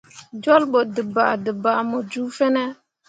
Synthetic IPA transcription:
d͡ʒo˦lɓo˨də˨ba̰˨də˨ba˨mo˨d͡ʒu˦fe˦ne˦

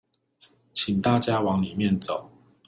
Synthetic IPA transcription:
t͡ɕʰi˨˩ŋt̪a˥˨t͡ɕja˦wɑ˧˦ŋli˨˩mjɛ˥˨nt͡so˨˩˦ʊ

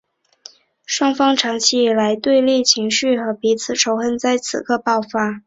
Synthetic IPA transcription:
ʂwɑ˥ŋfɑ˥ŋʈ͡ʂʰɑ˧˥ŋt͡ɕʰi˧˥i˨˩la˧˥ɪt̪we˥˧ɪli˥˩t͡ɕʰi˧˥ŋɕy˥˩xɤ˧˥pi˧˥t͡sʰɹ̩˨˩ʈ͡ʂʰo˧˥ʊxə˥nt͡sa˥˩ɪt͡sʰɹ̩̰˨˩kʰɤ˥˧pɑ˥˩ʊfa˥

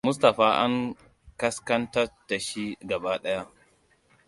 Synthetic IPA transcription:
mʊ˦s̬tɐ˨ɸaː˦ʔa̰˦ŋ | kɐ˦skɐ˦ntɐ˦tːa˨ʃi˦ɡɐ˨baː˦ɗɐ˦ja˦ʔ

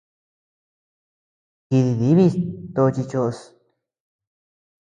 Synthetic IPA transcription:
ki˧ði˧ði˨˦βi˦˧t̪o˧t͡ʃi˧t͡ʃo˧ʔo˧s

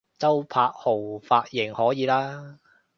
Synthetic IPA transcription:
t͡sɐ˥wpʰaː˧k̚ho˨˩wfaː˧t̚jɪ˨˩ŋhɔː˨˥jiː˨˧˥laː˥

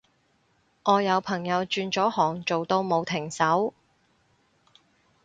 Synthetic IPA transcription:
ŋɔː˨˧jɐ˨˧wpʰɐ˨˩ŋjɐ˨˧wt͡ʃyː˧nt͡ʃɔː˨˥hɔː˨˩ŋt͡ʃo˨wt̪o˧wmo˨˧wt̪ʰɪ˨˩ŋsɐ˨˥w

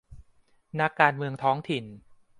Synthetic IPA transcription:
na˦˥kːaː˧nmɯ˧əŋt̪ʰɔː˦˥ŋt̪ʰi˨˩n

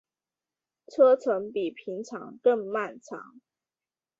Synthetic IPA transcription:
t͡sʰɤ˥t͡sʰə˧˥ŋpi˨˩pʰi˨˧˥ŋt͡sʰɑ̰˨˥ŋkə˥˧ŋma˥˩nt͡sʰɑ̰˨˧˥ŋ

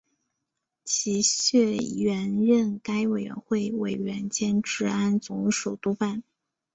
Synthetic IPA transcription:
t͡ɕʰi˧˥ɕɥɛ˥˩ɥɛ˧˥nɻə˥˩nka˥ɪwe˨˩ɪɥɛ̰˧˥nxwe˥˩ɪwe˨˩ɪɥɛ˧˥nt͡ɕjɛ˥nʈ͡ʂɻ̩˥˩a˥nt͡sʊ˧˥ŋʂu˨˩ʊt̪u˥pa˥˩n

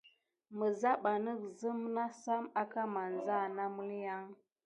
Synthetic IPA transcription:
mə˨za˦ɓa˨nə˦k̚zə˦mna˦sa˦ma˦ka˦ma˨n˨za˦˨na˦mu˦lja˦ŋ

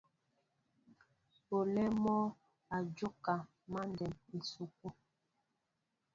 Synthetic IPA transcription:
po˨lɛ˦mɔ˦ | a˨d͡ʒo˦ka˨ | ma˦ndɛ˨me˨su˨k̚u˦

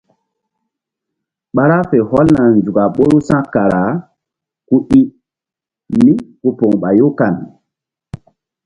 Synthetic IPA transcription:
ɓa˦ɾa˦fe˨hɔ˦lna˨nd͡ʒu˨ɡa˨ɓo˦ɾu˦sã˦kːa˨ɾa˨ | ku˦ʔi˦ | mi˦ku˦po˨ŋɓa˨jo˦ka˨n

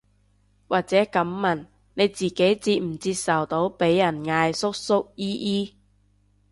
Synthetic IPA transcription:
waː˨˩k̚t͡sɛː˨˥kɐ˨˥mːɐ˨˩n | ne˨˧jt͡siː˨ke˨˥jt͡siː˧t̚m̩˨˩t͡siː˧p̚sɐ˨˩wt̪o˨˥wpe˨˥jːɐ˨˩nŋaː˧jsʊ˥k̚sʊ˥k̚jiː˥ʔiː˥

